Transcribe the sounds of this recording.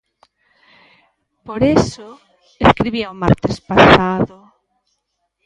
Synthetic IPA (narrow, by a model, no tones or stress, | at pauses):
poɾeso | eskɾiβiaoma̰ɾt̪espasaðo